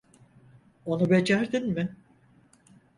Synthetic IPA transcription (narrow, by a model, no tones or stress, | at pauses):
o̞nube̞d͡ʒæɾd̪inmɪ